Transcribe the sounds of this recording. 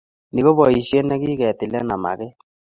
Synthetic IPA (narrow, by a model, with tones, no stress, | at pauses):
ni˨ɣo˦bɔ˨i˨sje˦nɛ˦kiː˦kɛ˨t̪i˨lɛ˦na˨ma̰˨kɪ˦